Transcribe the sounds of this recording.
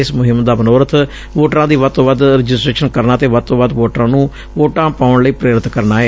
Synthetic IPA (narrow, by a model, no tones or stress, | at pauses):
ɪsmʊɦɪmd̪aːbənoːɾət̪ʰ | ʋoːʈɾãːd̪iːʋəd̪̚t̪õːʋəd̪ɾəd͡ʒɪsʈɾeːʃənkəɾnaːt̪eːʋəd̪̚t̪õːʋad̪ʋoːʈɾãːnũː | ʋoːʈãːpaːʊɳləiːpɾeːɾɪt̪ʰkəɾnaːɦɛː